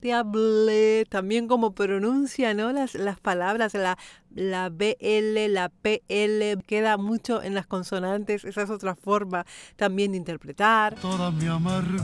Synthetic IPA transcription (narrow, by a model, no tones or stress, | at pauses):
t̪eaβlet̪ambje̞ŋko̞mo̞pɾo̞nũnsjano̞laslaspalaβɾaslalaβeʔelelapeeleke̞ðamut͡ʃo̞ʔḛnlasko̞nso̞nãnt̪esesaes̬ot̪ɾafo̞ɾmat̪ambje̞nd̪eint̪eɾpɾe̞t̪aɾt̪oðamiamaɾ